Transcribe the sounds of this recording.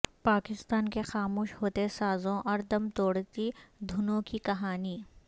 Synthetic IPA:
paːkɪst̪aːnkexaːmoːʃɦoːt̪esaːzõʔɔːɾd̪ɐmt̪oːɽt̪id̪ʱʊnõkikɐɦaːniː

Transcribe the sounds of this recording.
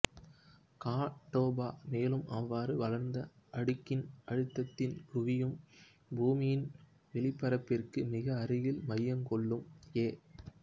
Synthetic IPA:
kaːʈːoːbaːmeːlɯmʔɐʋːaːɾɯʋɐlɐɾnd̪ɐɐɽɯkːɪnʔɐɻɯt̪ːɐt̪ːɪnkʊʋɪjɯm | buːmɪjɪn | ʋɛɭɪpːɐɾɐpːɪrkɯmɪɣɐːɾɪjɪlmɐjːɐŋkɔɭːɯmeː

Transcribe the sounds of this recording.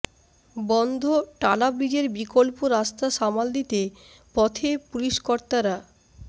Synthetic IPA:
bɔnd̪ʱoʈalabɾid͡ʑeɾbikolpoɾast̪aʃamald̪it̪e | pɔt̪ʰepuliʃkoɾt̪aɾa

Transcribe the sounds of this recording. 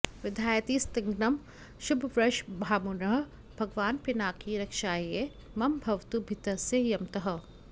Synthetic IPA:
ʋɪd̪ʱaːjt̪iːst̪ɪŋɡnɐm | ʃʊbʱʋɾɐʃbʱaːmunɐɦ | bʱɐɡʋaːnpɪnaːkiɾɐkʃaːje | mɐmbʱɐʋt̪ubʱɪt̪ɐsejɐmt̪ɐɦɐ̆

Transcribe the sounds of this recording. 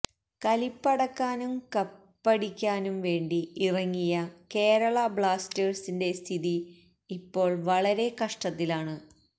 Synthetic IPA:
kɐlipːɐɽɐkːaːnumkɐpːɐɽikʲːaːnumʋe̞ːɳɖiirɐŋːijɐke̞ːɾɐɭɐbɭaːsteːrsinde̞st̪ʰiðiː | pːo̞ːɭʋɐɭɐɾe̞kɐʂʈɐt̪ːilaːɳɨ

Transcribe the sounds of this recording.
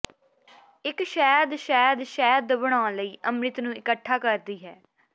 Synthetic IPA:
ɪkʃɛːd̪ʃɛːd̪ʃɛːd̪bəɽ̃ãːləiːʔəmɾɪt̪nũːɪkəʈʰːaːkəɾd̪iːɦɛː

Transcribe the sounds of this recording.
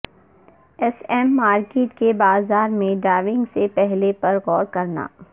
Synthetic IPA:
ɛsɛmːaːɾkeːʈkebaːzaːɾmẽɖaːʋɪ̃ŋɡsepɛɦlepɐɾɣɔːɾkɐɾna̰ː

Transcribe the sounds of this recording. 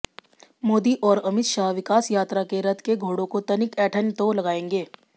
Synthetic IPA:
moːd̪iːʔɔːɾəmɪt̪ʃaɦʋɪkaːsjaːt̪ɾakeɾət̪keɡʱoːɽõkot̪ɐnikɛʈʰənjət̪olɐɡaẽːŋɡeː

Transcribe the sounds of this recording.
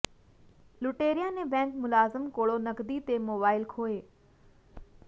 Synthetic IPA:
lʊʈeːɾijanebɛ̃ːŋkmʊlaːzɪmkoːɭonɐkd̪it̪emoːbaːɪlkʰoːeː

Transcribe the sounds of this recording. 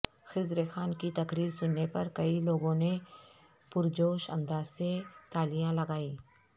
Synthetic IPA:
xɪzɾexaːnkit̪ɐkɾiːɾsʊnːepɐɾkɐiloːɡõne | pʊɾd͡ʒoːʃɐ̰̃nd̪aːzset̪aːlijãlɐɡaːĩː

